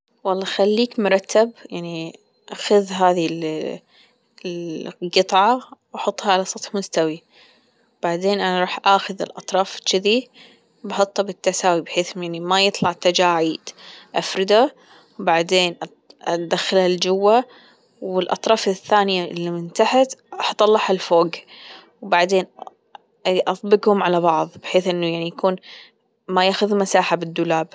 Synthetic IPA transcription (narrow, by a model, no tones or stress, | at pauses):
wɑlˤːɑːxalːiːkmʊɾˤɑt̪ʰːabjaʕni | ʔaxʊðɦaːðil | ɡɨt̪ˤʕɑwʔɑħʊt̪ˤːhɑʕalasˤɑt̪ħmʊst̪awi | b̥aʕd̪eːnʔanaɾˤuːħʔaːxʊðɪ̰lʔɑt̪ˤɾˤɑːft͡ʃːɪði | bɑħʊt̪ˤːɑbɪt̪ːasaːwibħeːθjaʕnimajɨt̪ˤlɑʕt̪ad͡ʒaːʕiːd̪ʔafɾɪd̪a | wbaʕd̪eːnʔ | d̪axalald͡ʒʊwːa | wɪlʔɑ̰t̪ˤɾˤɑːfɪθːaːnɪjaʔɪlːimɪnt̪aħat̪ɑħt̪ˤɑlːɑħalfoːɡ | wbaʕd̪eːn | ʔɑt̪ˤbɪɡhʊmʕalabɑʕðˤbɪħeːθʔɪnːujaʕnijakuːn | majaːxʊðmasaːħabɪd̪ːʊlaːb